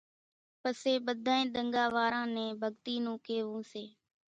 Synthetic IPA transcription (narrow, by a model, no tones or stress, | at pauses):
pəseːɓəd̪ʱãːẽːɗ̪əŋɡaːʋaːɾãːnẽːbʱəɡt̪iːnũːkeːʋũːseː